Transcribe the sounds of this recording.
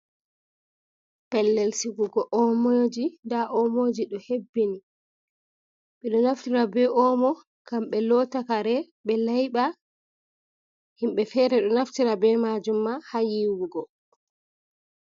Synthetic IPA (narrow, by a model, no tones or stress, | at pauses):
pɛlːelsiɡuɡɔʔɔmod͡ʒindaʔɔmod͡ʒiɗɔhebːini | ɓɛɗɔnaftiɾabɛʔɔmɔ | kamɓɛlɔtakaɾɛ | ɓɛlajɓa | himɓɛfɛɾɛɗɔnaftiɾabɛmad͡ʒumːahajiwuɡɔ